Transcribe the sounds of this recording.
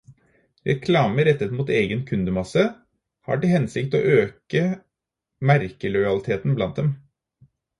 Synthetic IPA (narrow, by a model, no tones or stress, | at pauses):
ɾɛ̰kʰlɑːməɾɛt̪ːət̪muːt̪eːɡənkʰʉnd̪əmɑsə | hɑ̰ːʈɪhɛnsɪkt̪o̰ːʔøːkə | mæɾkəlɔʏɑlɪt̪ʰeːt̪n̩blɑnt̪̚d̪ɛm